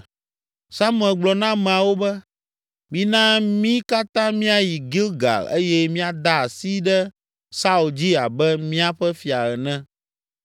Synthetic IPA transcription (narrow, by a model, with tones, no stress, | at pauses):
sa˦m̃˦˨ɛ˨ɡ͡blɔ˨nã˦mɛ̃˨a˨wo˦bɛ˦ | mĩ˦nã˦mĩ˦ka˦t̪ã˦mĩ˦a˨ji˨ɡi˦lɡa̰˨lḛ˦jɛ˦mĩ˦a˨d̪a˦a˨si˦ɖɛ˦ | sa˦u˨ld͡ʑi˦a̰˨bɛ˦mĩ˦a˦ɸɛ˦fi˨a˨ɣɛ˨nɛ̃˦